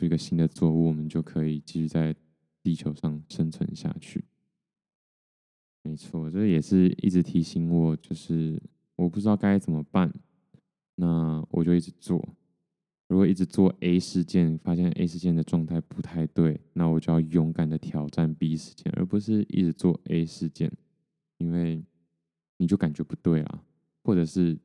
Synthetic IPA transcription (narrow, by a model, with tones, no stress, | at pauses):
u˥˧˩i˧˥ɡə˨˧ɕi˥nd̪ə˨t͡swɔ˥˧u˥˩wɔ˨˩mə˦nt͡ɕjo˥˩ʊkʰɤ˧˥i˨˩t͡ɕi˥˧˩y˥˧t͡sa˥˩ɪ | t̪i˥˩t͡ɕʰjo˧˥ʊʂɑ˥˩ŋʂə˥nʈ͡ʂʰɤ̰˧ŋ˧ɕja̰˥˧t͡ɕʰy̰˥˩ | me˧˥ɪt͡sʰwɔ˥˩wɔ˨˩t͡ɕɛ˥˧jɛ˨˩ʂɻ̩˥˧ḭ˥˩ʈ͡ʂɻ̩˧˥t̪ʰi˧˥ɕi˧˥nwɔ˨˩t͡ɕjo˥˧ʊʂɻ̩˥˩ | wɔ˨˩p̬u˥˩ʈ͡ʂɻ̩˥ɑ˥˩ka˥ɪt͡sə˨˩nmə˨˦pa˥˩n | na˥˩wʔɔ̰˨˩t͡ɕjo˥˧ʊi˥˩ʈ͡ʂ̩˧˦t͡swɔ̰˥˩ | ɻu˧˥kwɔ˨˩i˥˩ʈ͡ʂɻ̩˧t͡swɔ˥˩ʔe˥ɪʂɻ̩˥˧t͡ɕjɛ˥˩nfa˥ɕjɛ˥˨nʔḛ˥ɪʂɻ̩˧t͡ɕjɛ˥˩nd̪ə˩ʈ͡ʂwɑ˥˧ŋt̪ʰa˥˩ɪpu˧˥t̪ʰa˥˧ɪt̪we˥˩ɪna˥˩wɔ˨˩t͡ɕjo˥˧jɑ˥˩ʊjʊ˧˥ŋka˨˩nd̪ə˩t̪ʰjɑ˨˩ʊʈ͡ʂa˥˨npi˧˥i˧˥ʂɻ̩̥˧˥t͡ɕjɛ̰˥˧nʔə̰˧˥pu˧˦ʂɻ̩˥˧ʔḭ˥˩ʈ͡ʂɻ̩˧˦t͡swɔ˥˩ʔe˥ɪʂɻ̩˥˧t͡ɕjɛ̰˥˩n | i˥nwe˥˩ɪ | ni˨˩t͡ɕjo˥˩ʊka˨˩nt͡ɕɥɛ˧˥pu˧˦t̪we˥˩ɪlɐ̰˩ | xwɔ˥˩ʈ͡ʂɤ˨˩ʂɻ̩˥˩